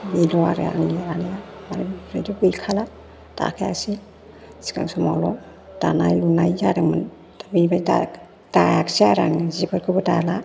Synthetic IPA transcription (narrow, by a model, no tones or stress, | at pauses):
milɔaɾa̰ŋliaɾanijamaɾiɾajdukujkʰala | d̥a̰kʰajaksi | si̥ka̰ŋsɔmalɔ | d̥anajlunajaɾaŋman | abinbajda | d̥ajaksiaɾaŋzibɯɾkʰɯbɯdala